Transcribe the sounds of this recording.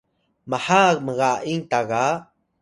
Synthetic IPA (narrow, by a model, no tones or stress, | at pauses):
mahakməɣaʔiŋt̪aɣa